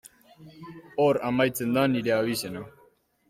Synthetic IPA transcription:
oɾa̰majt͡send̪aniɾeaβisena

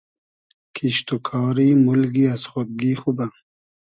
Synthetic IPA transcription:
kʰiʃt̪okʰɑːɾimulɡiasχod̪̚ɡixuba

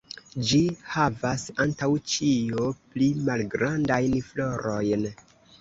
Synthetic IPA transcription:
d͡ʒihavasantawt͡ʃioplimalɡɾandajnfloɾo̞jn

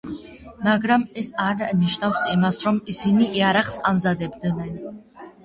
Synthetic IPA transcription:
maɡɾamɛsaɾniʃnafsimasɾɔmisiniʔiaɾaχsamzad̪ɛbd̪nɛn

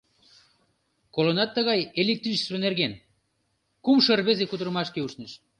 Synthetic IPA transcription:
kolonɑt̪ːəɣɑjelek̚t̪rit͡ʃslonerɣen | kumʃərβezekud̪əɾəmɑʃkeuʃneʃ

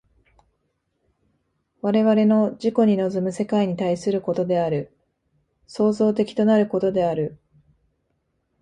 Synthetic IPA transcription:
βaɾe̞βaɾe̞no̞ʑiko̞ɲ̟ino̞zɨmɯ̟se̞kaiɲ̟it̪aisɨɾɯ̟ko̞t̪o̞d̪e̞aɾɯ̟ | so̞ːzo̞ːt̪e̞kʲi̥t̪o̞naɾɯ̟ko̞t̪o̞d̪e̞aɾɯ̟

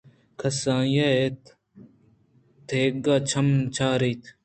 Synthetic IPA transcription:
kʰɐsãːjaet̪ | t̪ʰeːɡaːt͡ʃʰɐmt͡ʃʰaːɾiːt̪ʰ

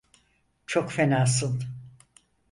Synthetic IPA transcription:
t͡ʃʰokfenaːs̬ɯn

